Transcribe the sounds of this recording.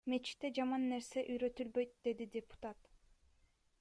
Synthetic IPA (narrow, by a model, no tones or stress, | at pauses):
me̞t͡ʃi̥kt̪ːed͡ʒɑmɑnːe̞ɾse̞ʔyjɾø̞t̪ylbø̞jt̪̚d̪e̞d̪id̪ʲepu̥t̪at̪